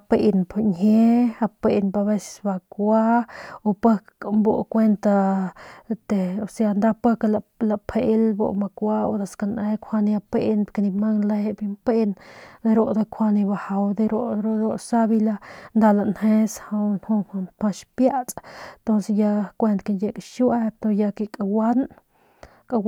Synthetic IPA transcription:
a˧pe˧ʔnpa˨nhe˦a˧pe˧ʔnba˧βe˦se̥˧sba˧kʷa˦o˧pə˦kmbo˦ʔkʷe˦nt̪a˧ | t̪e˨o˨se˧a˧˨nd̪a˦˧pə˦kalala˧pʰe˧ʔlbo̰˧ʔma˧kʷa˦o̰˧d̪a˨ska˧nʔẽ˧kʷʰa˧nĩ˧a˧pe˦ʔnpka˧nĩ˧ma˦ŋla˧je˧bi˧mpe˦nd̪e˧ɾo˧ʔd̪e˧kʷʰa˧ni˧ba˧ha˨wd̪e˧ɾo˦ʔɾo˦d̪ɾo˧ʔsa˦bi˧la˧nd̪a˧la˨nhẽ˦sha˧wnhõ˧ha˧np̪ã˧ʃpja˦t͡sʼt̪o˦nse˧ja˧kʷe˦˧nt̪ki˧nje˧kʼʃwa˦t̪o˧ja˧ki˧kʼa˧wa˦n | kʼa˧

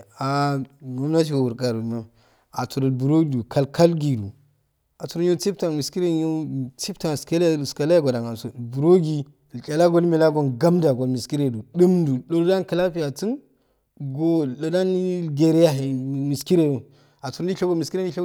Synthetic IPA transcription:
a˨ɡo˦m˦na˦t͡ʃ̬i˨ɡo˨wu˨ɾɡa˨ɾu˨na˦ | a˨t͡su˨ɾu˨lbu˨ɾo˦ɡi˨du˨ka˦lkʰa˦lɡi˨du˨ | a˨t͡su˨ɾu˦jo˦t͡si˦p̚ta˨mi˨ski˦ɾe˦jo˦t͡si˦pta˨ske˦lska˨la˦ja˦ɡo˨da˨ŋa˨so˨bu˨ɾo˦ɡi˨ | kʼa˨la˦ɡo˦lmi˨la˦ɡo˦˨nɡa˦mda˨ɡo˨lmi˨ski˦ɾe˨du˨ɗu˦mdu˨ɗo˨lu˦da˦n˦kə˨la˦pi˦ja˨t͡si˦n | ɡo˦la˨da˦ni˦ɡe˨ɾja˦ɦe˨mi˨ski˦ɾe˦du˨ | a˨tu˨ɾi˦ɬo˦ɡo˦mi˨ski˦ɾe˦i˦ɬo˦

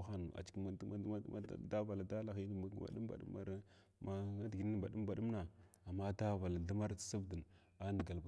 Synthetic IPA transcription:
xa˦n˨a̰˨t͡ʃkma̰˨˦da˦va˨la˨da˦la˨xi˦n˦˨˦a̰˨ɗu˦m˦ba̰˨ɗṵ˦ma̰˦ɾ | ma˦dɡi˨ni˦˨ba˨ɗu˦mba˨ɗu˦mna˨ | a˨mːa˦da˦va˨la˨da˦ma˦ɾt͡ssa˦bdə˨n | a˦ndə˨ɡa˨lb

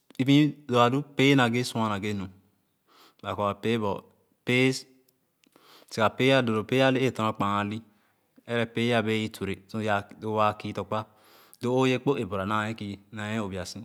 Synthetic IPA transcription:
i˦bĩ˦zo˨a˨du˦pe˦na˨ɡe˦sa˦na˨ɡe˦no˨ | ba˨ko˨a˨pe˦bɔ̰˨ | pe˦ | si˨ka˨pe˦a˦do˨ɾo˨pe˦a˦le˦e˦˨tɔ̃˨˦a˦˨k͡pa˨a˨li˦ | e˦ɾɛ˦pe˦a˦be˦ji˦tʰu˨ɾe˨so˦ja˨do˦wa˨ki˦to˨k͡pa˦ | do˦o˦je˦k͡po˦ʔe˨bo˨ɾa˨na˨je˦ki˨na˨je˦o˨bi˨a˨sĩ˦

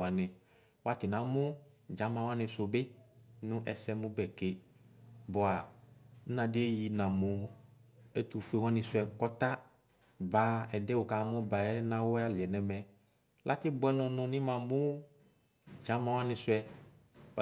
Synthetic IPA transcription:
a˨nɪ̃˨ | wa˦tɪ˨nã˨mʊ̃˦d͡ʒã˨˦mã˨wa˦nɪ̃˧sʊ˨bɪ˦nʊ̃˦ʔɛ̰˨sɛ˦mʊ̃˦bɛ˨ke˨ | bʊ˨a˨n̩˦nã˨dɪ˦e˦ji˨nã˨mʊ˨ | ɛ˦tu˨fe˨wɔ̃˦nɪ̃˨sɛ˨kɔ˦ta˦ | ba˨˦ɛ˨dɛ˦wʊ˨ka˨˦mɔ̃˦ba˨ɛ˦nã˦wʊ˦a˦lɪ˨ɛ˨nɛ˨mɛ̃˨ | lʔa˦tɪ˦bʊ˦ɛ˦nʊ̃˨nʊ̃˨nɪ̃˦mã˨mʊ˦ | d͡ʒã˨˦mã˨wa˦nɪ̃˧sʊ˦ɛ˧

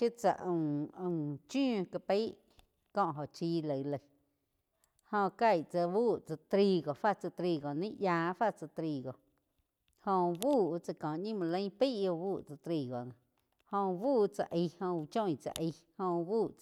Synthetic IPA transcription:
ʃje˦t͡sa̰˧˨ʔũ˧˨ə̃˨t͡ʃũ˦˧ka˧pe˦ʔ | kɔ̃˧ʔɦo˨ʔt͡ʃiː˧lə˨lə˧˨ | hõ˧ka˧˨jt͡sa˧wuː˦˨t͡sa˧t̪ɾi˧ɡo˨fa˦t͡sa˧t̪ɾi˧ɡo˨nĩ˦ʔjãː˧fa˦ʔt͡sa˧t̪ɾi˧ɡo˨ | hõ˧buː˦˨˧t͡sa˧kɔ̃ː˨ɲĩ˦mũ˧˨lə̃˦pi˦ʔjo˧buː˦˨t͡sa˧t̪ɾi˧ɡo˨nã˧˨ | hõ˧buː˦˨˧t͡sa̰˧ʔi˧hõ˧t͡ʃõ˦j̃t͡sa̰˧˨ʔi˧hõ˧buː˦˨ʔ

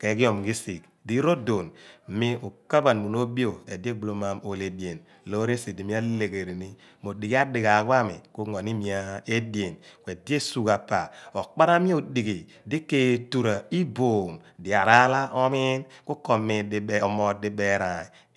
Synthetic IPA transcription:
ke˨˦ki˦o˨mɡi˦si˨k̚ | di˦ɾo˦do˨n˨mi˦o˨ka˦ba˨nmu˨no˦bi˦o˨ḛ˨di˦e˦blo˦ma˨mo˨le˨di˨e˨n | lo˦ɾe˦si˨di˨mi˦a˦le˨ɡe˨ɾi˨ni˦ | mo˨di˨ɡi˦a˦di˨ɡa˨kwa˦mḭ˨ku˦ŋo˨ni˦mi˨a˨e˦de˨nkʷwe˨di˦e˦su˨ka˨pa̰˨o˨k͡pa˦ɾa˦mi˦o˨di˨ɡi˨ | di˦kːe˦˨tu˨ɾa˨i˦bo˨mdi˨a˨ɾa˦la˦ʔɔ˦mi˦nku˦ko˨mi˨di˦bo˨mo˨di˦be˦ɾa˨i˨

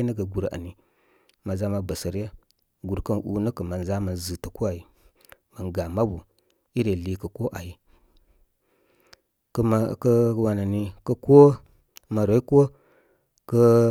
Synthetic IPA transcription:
nə˦ɡə˨ɡu˨ɾa̰˨ni˨ | ma˨za˦ma˨bə˨sə˨ɾjə˦ | ɡu˨ɾkə˦n˨ʔṵ˨nə˦kə˨ma˨nza˦mə˨nzɨ˨tə˨ko˦a˨ji˨ | mə˨nɡa˨ma˦bu˨ | i˦ɾe˨li˨kə˨ko˦ʔa˨ji˦ | kkə˦wa˨na˨ni˨kə˦ko˦ | ma˨ɾa˨˦i˦ko˦ | kə˦

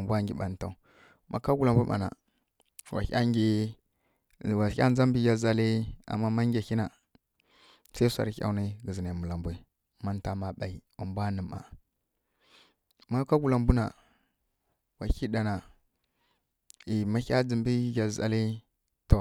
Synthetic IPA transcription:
a˨mbʷa˦ŋɡʲi˨ɓa˨n˨ta˨ | mʔa̰˨ka˦ɡu˨la˨mbu˦ma̰˨na̰˨ | wa̰˨çʲa̰˦ŋɡi˦˨ | wa˨˦a˦n˦d͡za˦mbi˦ɡa˨za˨li˦a̰˨mːa˦ma˦ŋɡʲa˨xi˦na˨ | sa˦i˦sʷa̰˨ɾçʲa̰˦wni˦ɡə˨zi˨na˨mu˨la˨mbʷi˦ | ma˦nta˨ma˨ɓa˨i˨u˨mbʷa˦nə˨ma̰˨ | ma˦ka˦ɡu˨la˨mbu˦na˨ | wa˨ki˦da˨na˨ | i˨ma˦çʲa˦d͡zi˨mbi˦ɡa˨za̰˨li˦ | to˨

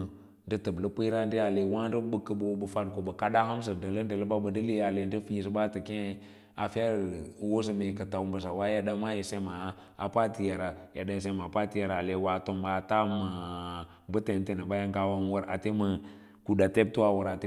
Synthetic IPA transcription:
ndə˦tə˨blə˦pə˦ɾa˦n˦di˦a˨le˨wa˦n˦də˦bə˦kːə˨bo˦bə˨fa˦nko˨bə˨ka˦da˦hə˦ms̬ə˨ndə˨lə˦n˦də˨lə˦ba˦bə˨də˦li˦a˨le˨n˦də˦fi˦˨sə˨ba˦tə˨ke˦ | a˨fa˦˨wo˦s̬ə˨me˨kə˨ta˨wu˦mbə˨s̬a˨wa˦ja˦da˦ma˦je˨se˦ma˨˦ | a̰˨pa˦ti˨ja˨ɾa˨ja˨da˨˦js̬e˦ma˨pa˦ti˦ja˨ɾa˨le˨wa˨to˨mba˨ta˦ma˨ | bə˦te˨n˦te˨nə˨ba˦ja˦ŋka˨wa˦m˦wə˦ɾa˨te˦mə˨ | ku˨da˨te˦b̚tu˦wa˦˨wə˨ɾa˨t

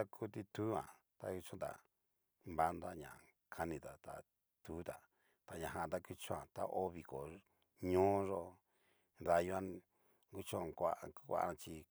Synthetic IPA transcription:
a˦kʰu˦t̪i˧t̪u˦ã̰˨ | t̪a̰˧ku˧t͡ʃõ˦t̪a̰˨ | mba˦nd̪a˦ɲã̰˨ | kʰa˧nĩ˧t̪a˨t̪a̰˨ | t̪uː˨˦t̪a˨ | t̪a˧ɲã˨ɦã˧˨t̪a˦˧ku˧t͡ʃõ˧˦ã̰˨t̪a̰˦ʔo˦βi˧ko˨ | ɲõː˦ʐo˧ | ða˧ju˧a˦ | ɡu˦˧t͡ʃõ˦˧˨kʷa˧ku˦kʷa̰˧ʔã˧t͡ʃi˧

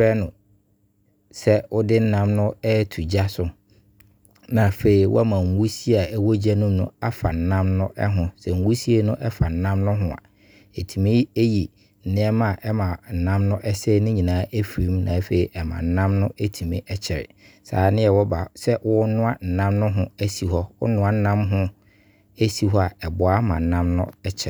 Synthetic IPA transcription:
ɛ˦nʊ̃˨ | sɛ˦ʊ˦dɪ˦n̩˦nã˦mnʊ̃˦ɛ˦tʰu˨d͡ʑa˦sʊ˨ | nã˨fe˨i˨wɔ̰˦a˦mã˨ŋ̩˨wu˦si˦a˨ɛ˦wo˦d͡ʑa˦nũ˦m˦nʊ̰̃˦a˦fa˨n̩˨˦nã˦mnʊ̃˦ʔɛ˦ɦʊ̃˨sɛ˨ŋ̩˨wu˦si˦e˦nʊ̃˦ʔɛ˦fa˨n̩˨˦nã˦mnʊ̃˦ɦʊ̃˨a̰˨ | e˨tʰi˨mĩ˦e˦ji˨ | n̩˨nɪ̃˦ɛ˦ma˨ʔɛ˦mã˨n̩˨nã˦mnʊ̃˦ʔɛ˦sɛ˦nʊ̃˦ɲĩ˨nãː˨˦ʔæ˦fi˨ɾĩ˨˦mnã̰˨˦fe˨i˨ʔɛ˨mã̰˨n̩˦nã˦mnʊ̃˦æ˦tʰi˨mĩ˦ʔɛ˦t͡ɕʰɛ˨ɾɪ̰˨ | sa̰ː˨˦nɪ̃˦ɛ˨wɔ˦ba˨sɛ˦wʊ˦nʊ̃˦a˦n̩˨nã˦mnʊ̃˦ɦʊ̃˦æ˦si˨ɦɔ˦wʊ̰˦nʊ̃˦a˨n̩˦nã˦mɦʊ̃˦ | e˦si˨ɦɔ˦a˨ɛ˨bʊ˨a˦mã̰˨n̩˨nã˦mnʊ̰̃˦ɛ˦t͡ɕʰɛ˨

